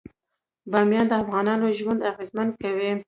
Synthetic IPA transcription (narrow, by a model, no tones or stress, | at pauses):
bɑmjɑnd̪əafɣɑnɑnoʒwand̪aɣezmankawi